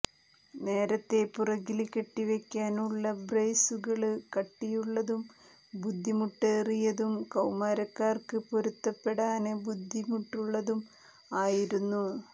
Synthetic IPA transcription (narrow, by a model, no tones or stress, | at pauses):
ne̞ːɾɐt̪ːe̞purɐɣilkeʈːiʋekʲːaːnuɭːɐbrejsuɣɐɭɨkɐʈːijuɭːɐðum | bud̪ʱːimuʈːeːrijɐðumkɐwmaːɾɐkːaːrkɨpo̞ɾut̪ːɐpːe̞ɽaːnɨbud̪ʱːimuʈːuɭːɐðum | aːjiɾunːu